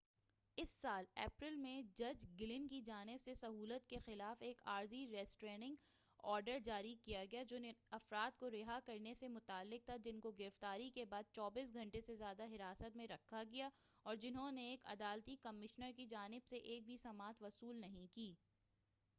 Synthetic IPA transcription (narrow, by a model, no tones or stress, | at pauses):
ɪsːaːlɛ̰ːpɾɪlmẽd͡ʒɐd͡ʒɡɪlɪ̃nkid͡ʒaːnɪbsesɐɦuːlət̪kexɪlaːfeːkaːɾziɾɛːsʈɾeːnɪ̃ŋɡ | ɔːɾɖəɾd͡ʒaːɾikijaɡɐjad͡ʒoːneɐfɾaːd̪̚koɾɪɦakɐɾnesemʊt̪aːlːɪk̚t̪ʰad͡ʒɪnkoɡɪɾɪft̪aːɾikebaːd̪̚t͡ʃɔːbiːs̬ɡʱɐ̃ɳʈesezjaːd̪aɦɪɾaːsət̪mẽɾɐkʰːaɡijaɔːɾd͡ʒɪnɦõneeːkɐ̰d̪aːlt̪ikɐmɪʃnəɾkid͡ʒaːnɪbseʔeːk̚bʱisɐmaːt̪ʋɐsuːlnɐɦĩkiː